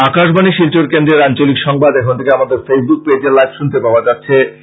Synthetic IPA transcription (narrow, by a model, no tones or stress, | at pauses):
akaʃbaniʃilt͡ɕoɾkend̪ɾeɾant͡ɕolikʃɔŋbad̪ɛkʰont̪ʰekeamad̪eɾfesbuk̚ped͡ʑeɾlajbʃunt̪epaoad͡ʑatːɕʰe